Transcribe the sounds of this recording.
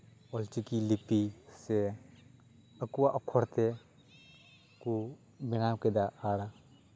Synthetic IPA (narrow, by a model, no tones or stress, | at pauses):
ɔlt͡ʃikilipise | əkuwaʔɔkʰːɔɾt̪e | ku | binamked̪aaːɽa